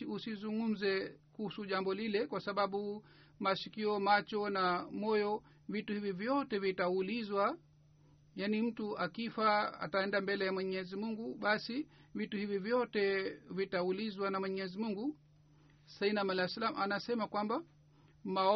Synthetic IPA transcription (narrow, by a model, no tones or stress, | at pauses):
iusizuŋɡum̩zɛkuhusuʄambɔlilɛkwasaɓaɓu | maʃikiɔmat͡ʃɔnamɔjɔ | vituhivivjɔtɛvitaulizwa | janim̩tuʔakifaa̰taɛndambɛlɛjamwɛɲɛzimuŋɡuɓasivituhivivjɔtɛvitaulizwanamwɛɲɛzimuŋɡu | sainamalaslamʔanasɛmakwamba | maɔ